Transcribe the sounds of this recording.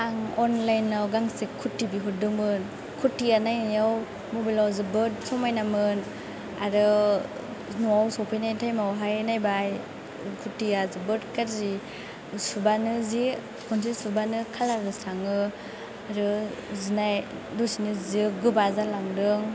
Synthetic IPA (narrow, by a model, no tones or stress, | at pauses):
aŋɔnlajnːawɡaŋsikʰːutːibiɦudɯŋmɯn | kʰutːijanajnijaw | mobalawzɯbɯt̚sɔmajnamɯn | aɾɯ | nuawsɔpʰajnajtʰajmawɦajnajbaj | kʰutiazɯbɯtkaɾzi | subanɯzi | kʰns̬ʰisubanɯkʰalaɾɯsaŋɯ | aɾɯzinaj | dɔsinɯzɯɡɯbazalaŋdɯŋ